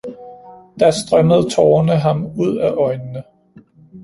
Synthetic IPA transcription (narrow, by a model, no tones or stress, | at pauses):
d̥ɑ̈sd̥ʁɶməð̞̩ˠt͡sʰɒːnəɦɑ̈muð̞̰ˠæʔɒ̽ɪnənə